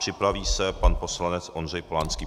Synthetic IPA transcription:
r̥ɪpɾaviːsɛpanpo̞slanɛt͡sʔo̞nr̝ɛjpolaːnskiː

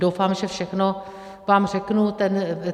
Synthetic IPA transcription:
dowfaːmʒɛfʃɛxno | vaːmr̝ɛknut̪ɛn

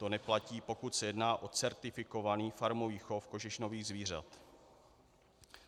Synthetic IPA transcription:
t̪o̞nɛplaciːpo̞kut̪sɛjɛdnaːʔo̞t͡sɛɾt̪ɪfɪko̞vaniːfaɾmoviːxofko̞ʒɪʃno̞viːɣzviːr̝a̰t̪

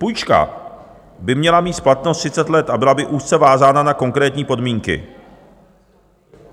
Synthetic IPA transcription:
pujt͡ʃka̰ | bɪmɲɛlamiːt̪splat̪nost̪r̥ɪt͡sɛt̪lɛt̪abɪlabɪʔuːst̪t͡sɛvaːzaːnanako̞ŋkɾɛːt̪ɲiːpo̞dmiːŋkɪ̰

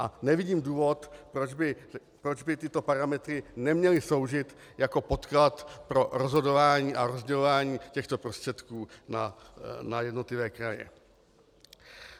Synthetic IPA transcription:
ʔanɛvɪɟiːmduːvo̞t̪pɾod͡ʒbɪ | pɾod͡ʒbɪt̪ɪt̪o̞paɾamɛt̪ɾɪnɛmɲɛlɪso̞wʒɪt̪ | jako̞po̞t̪klat̪pɾo̞ɾo̞zɦo̞do̞vaːɲiːʔaɾo̞zɟɛlo̞vaːɲiːcɛxt̪o̞pɾo̞st̪r̝̥ɛt̪kuːna̰najɛdno̞t̪lɪvɛːkɾajɛ̰

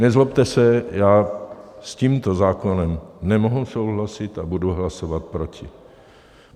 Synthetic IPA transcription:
nɛzlopt̪ɛsɛjaːsciːmt̪ozaːkonɛmnɛmoɦuso̞wɦlasɪt̪abuduɦlasovat̪̚pɾo̞cɪ

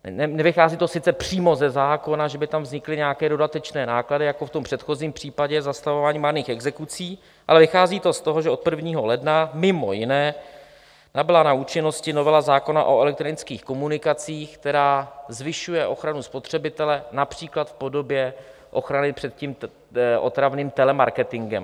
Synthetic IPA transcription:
nɛnɛvɪxaːziːt̪o̞sɪt͡sɛpr̥iːmozɛzaːko̞naʒɛbɪt̪amvzɲɪklɪɲɛjakɛːdo̞dat̪ɛt͡ʃnɛːnaːkladɪjako̞ft̪ompr̝̥ɛt̪xo̞ziːmpr̝̥iːpaɟɛzast̪avovaːɲiːmaɾniːxɛɡzɛkut͡siː | ʔa̰lɛvɪxaːziːt̪o̞st̪oɦoʒɛot̪̚pr̩vɲiːɦo̞lɛdnamɪmo̞̰jɪnɛː | nabɪlanauːt͡ʃɪno̞scɪno̞vɛlazaːko̞na̰ʔo̞ɛlɛk̚t̪ɾo̞nɪt͡skiːxko̞munɪkat͡siːxk̚t̪ɛɾaːzvɪʃujɛʔo̞xɾanuspot̪r̥ɛbɪt̪ɛlɛnapr̥iːklat̪fpo̞do̞bjɛ | ʔo̞̰xɾanɪpr̥ɛt̪̚ciːm | ʔo̞̰t̪ɾavniːmt̪ɛlɛmaɾkɛt̪ɪŋɡɛ̰m

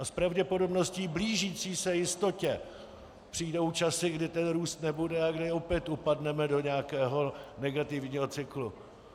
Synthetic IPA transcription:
aspɾavɟɛpodo̞bno̞sciːbliːʒiːt͡siːsɛjɪst̪o̞cɛ | pr̥iːdowt͡ʃasɪɡdɪt̪ɛnɾuːst̪nɛbudɛaɡdɪopjɛt̪upadnɛmɛdo̞ɲɛakɛːɦo̞nɛɡat̪ɪvɲiːɦo̞t͡sɪklu

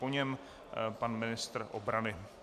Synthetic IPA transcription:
poɲɛm | panmɪnɪst̪r̩ʔo̰bɾanɪ

